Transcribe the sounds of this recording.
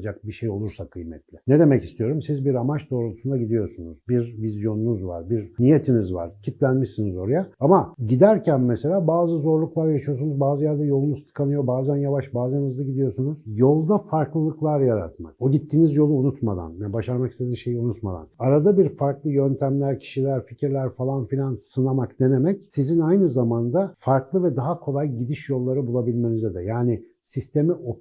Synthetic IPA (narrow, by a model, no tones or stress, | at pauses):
d͡ʒak̚biʃe̞jo̞lˠuɾsakʰːɯjmɛt̪lʲɪned̪e̞mɛcist̪ʰijo̞ɾumsizbiɾamat͡ʃd̪o̞ːɾolˠusund̪aɟid̪ijo̞sunuzbiɾvizjo̞nunuzva̰ɾbiɾnije̞t̪ʰinizva̰ɾ̥cʰit̪lʲænmiʃsinizo̞ɾajaamaɟid̪æɾcʰænmese̞lʲaːbaːzɯzo̞ɾlˠuklˠaɾjaʃijo̞sunuzbaːzɯjaɾd̪ɛjo̞lˠunuzt̪ʰɯ̥kʰanɯjo̞baːzænjavaʃbaːzanɯzd̪aɟid̪ijo̞sunuzjo̞lˠd̪afaɾklˠɯlˠɯklˠaɾjaɾa̰t̪ma̰koɟit̪ʰːiːnizjo̞lˠuːnut̪ma̰d̪a̰njɛbaʃaɾmakist̪e̞d̪inʃe̞jiunut̪ma̰d̪a̰naɾad̪abiɾfaɾklˠɯjønt̪ʰæmlʲæɾcʰi̥ʃilʲæɾficiɾlʲæɾfalˠanfilʲansɯnamakd̪e̞nemɛcsizinajnɯzamand̪afaɾklˠɯvɛd̪aɦakʰo̞lˠajɟid̪iʃjo̞lˠːaɾɯbulˠabilʲme̞nizɛd̪ɛ̰jaːnɪ | sist̪ʰe̞miʔo